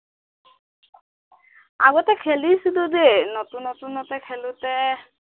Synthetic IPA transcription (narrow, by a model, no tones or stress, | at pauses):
a̰ɡɔt̪ɛkʰelisid̪ud̪enɔt̪unɔt̪unɔt̪ɛkʰelut̪ɛ